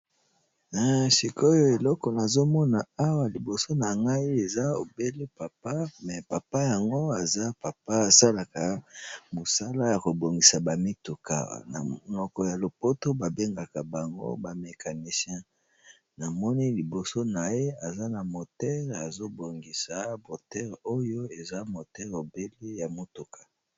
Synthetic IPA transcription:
na˨si˨ko˦jo˨e˨lɔ˦kɔ˨na˨zo˦mɔ˦na˨a˦wa˨li˨bo˨so˦na˨ŋɡa˦i˦e˨za˦o˨be˦le˦pa˨pa˦mɛ˨pa˨pa˦ja˨ŋɡo˦a˨za˦pa˨pa˦˨sa˦la˨ka˨mo˨sa˦la˦ja˨ko˨bo˨ŋɡi˨sa˨ba˨mi˦tu˨ka̰˨na̰˨nɔ˨kɔ˨ja˨lo˨po˦to˦ba˨be˦ŋɡa˨ka˨ba˨ŋɡo̰˦ba˨me˨kʰa˨ni˨sjɛ̃˦ | na˨mɔ˦ni˦li˨bo˨so˦na˨je˦a˨za˦na˨mo˨tɛ˦ʁa˨zo˦bo˨ŋɡi˨sa˨bo˨tɛ˦ʁo˦jo˦e˨za˦mo˨tɛ˦ʁo˨be˦le˦ja˨mo˨tu˨kʰḁ˨

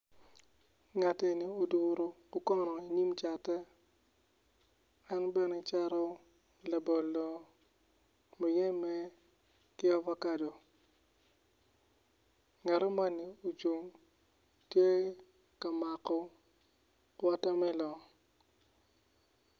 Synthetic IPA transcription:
ŋa˨tɛ˨ni˨o˨du˨ɾo˨kʊ˦kɔ˦nɔ˨i˨ɲi˦mt͡ʃa˨tɛ˦ | a˦nbɛ˦nɛ˨t͡ʃa˦ɾɔ˦˨ | la˨bɔ˨lːo˨ | mɔ˨jɛ˦mɛ˦ | kɪ˦ɔ˦va˦ka˦˨do˨ | ŋɛ˨ɾɔ˦ma˦nːi˨o˨t͡ʃo˨ŋ | tje˦ | ka˨ma˨kɔ˦ | wɔ˦ta˦mɛ˦lɔ˨

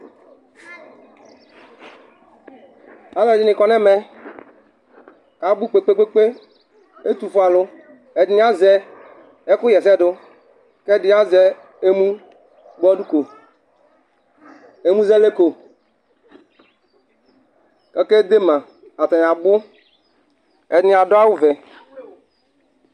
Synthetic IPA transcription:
a˨˦lɔ˨d͡ʒi˦nɪ̃˨kɔ˨nɛ̃˦mɛ˦ | ka˨bu˦k͡pe˦k͡pe˦k͡pe˦k͡pe˦ | e˦t̪u˨fu˦a˨lʊ˦ | e˨di˦n˦a˦zɛ˨ | e˦kʊ˦jɛ˨sɛ˦dʊ˦ | kɛ˦di˦a˦zɛ˨ | e˦mũ˦ | ɡ͡bɔ˦du˦ko˨ | e˦mũ˦zɛ˦le˦ko˨ | kɛ˦ke˦d̪e˦mã˨ | a˨t̪a˨a˨bʊ˦ | ɛ˨dnĩ˦a˨dʊ˦a˦wu˦vɛ˨

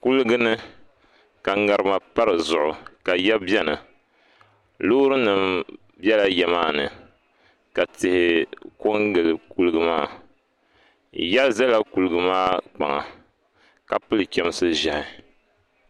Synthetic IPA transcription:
ku˦lɨ˦ɡɨ˦nɨ˦ | ka˨ŋa˨ɾɨ˦ma˨pa˦ɾɨ˨zʊ˨ʔʊ˨ka˨ja˦bɛ˦nɨ˨ | lo˦ɾɨ˦nɨ˨m | bjɛ˦la˦jɛ˨maː˦˨nɨ˨ | ka˨tɪ˨hɪ˨ko˦ŋɡɨ˨lɨ˨ku˦lɨ˦ɡɨ˦ma̰ː˦ | ja˦zɛ˦la˦ku˨lɨ˨ɡɨ˨maː˦k͡pa̰˨ŋa̰˨ | ka˨pɨ˦lɨ˨kʲɛ˦m˦sɨ˦ʒa˨hɪ˨

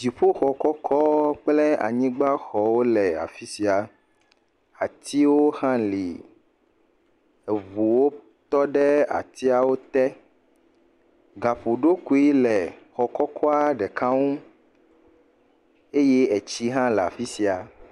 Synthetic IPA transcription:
d͡ʒi˨ɸo˦xɔ˨kɔ˦kʰɔ˦k͡plɛ˦a̰˨ɲĩ˦ɡ͡ba˦xɔ˨wo˦lɛ˨a̰˨fi˦si˨a˨ | a˨t̪ʰi˦wo˦xã˦li˨ | ɛ˨vu˨wo˦ | t̪ɔ˦ɖɛ˦a̰˨t̪i˦a˨wo˦t̪ɛ˦ | ɡa˨ɸo˨ɖo˦ku˨i˦lɛ˨xɔ˨kɔ˦kʰɔ˦a˦ɖɛ˨kʰa˦ŋũ˦ | e˦jɛ˦ɛ˨t͡ɕi˦ɦã˦lɛ˨a̰˨fi˦si˨a˨

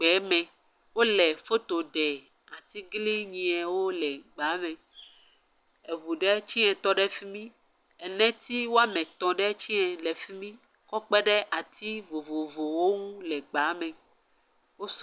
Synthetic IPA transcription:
k͡pɛ˨˦mɛ̃˨ | wo˦lɛ˨fo˦t̪o˨ɖɛ˨ | a˨t̪i˦ɡli˦ɲĩ˨ɛ̃˨wo˦lɛ˨ɡ͡ba˨˦mɛ̃˨ | ɛ˨vu˨ɖɛ˦t͡ɕi˦ɛ̃˨t̪ɔ˦ɖɛ˦fi˦mĩ˦ | ɛ˨nɛ̃˦t̪i˦wo˦a˦mɛ̃˨t̪ɔ̃˨ɖɛ˦t͡ɕi˦ɛ̃˨lɛ˨fi˦mĩ˦ | kɔ˦k͡pɛ˦ɖɛ˦ʔa˨t̪i˦vo˨vo˨vo˨wo˦ŋũ˦lɛ˨ɡ͡ba˨˦mɛ̃˨ | wo˦s

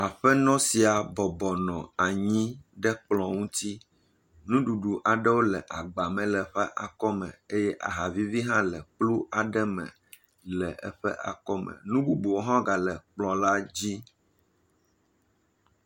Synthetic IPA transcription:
a˨ɸɛ˦nɔ̃˦si˨a˨bɔ˨bɔ˨nɔ̃˨a˨ɲĩ˦ɖɛ˦k͡plɔ̃˨ŋũ˦t̪i˦ | nũ˦ɖu˨ɖu˨ʔa˨ɖɛ˦wo˦lɛ˨ʔa˨ɡ͡ba˨mɛ̃˨lɛ˨ɸɛ˦ʔa̰˨kɔ˦mɛ̰̃˨e˦jɛ˦ʔa̰˨ɦa˨vi˦vi˦ɦã˦lɛ˨k͡plu˦ʔa˨ɖɛ˦mɛ̰̃˨ | lɛ˨ʔɛ˦ɸɛ̰˦ʔa̰˨kɔ˦mɛ̰̃˨nũ˦bu˦bu˨wo˦ɦã˦ɡa˨lɛ˨k͡plɔ̃˨la˦d͡ʑi˦

